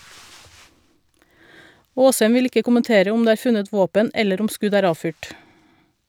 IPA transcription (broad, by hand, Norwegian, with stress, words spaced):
ˈoːshɛm ˈʋɪl ˈɪkə kʊmənˈteːɾə ˈʊm ˈdeː ˈæːɾ ˈfʉnət ˈʋoːpən ˈɛləɾ ˈʊm ˈskʉɟ ˈæːɾ ˈɑːfyːʈ